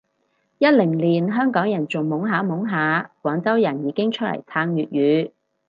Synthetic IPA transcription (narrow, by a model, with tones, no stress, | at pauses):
jɐ˥t̚lɪ˨˩ŋliː˨˩nɦœː˥ŋkɔː˨˥ŋjɐ˨˩nt͡sʊ˨ŋmʊ˨˥ŋɦaː˨˥mʊ˨˥ŋɦaː˨˧˥kwɔː˨˥ŋt͡sɐ˥wjɐ˨˩njiː˨˧kɪ˥ŋt͡ʃʰɵ˥t̚lɐ̰˨˩jt͡sʰaː˧ŋjyː˨t̚jyː˨˧˥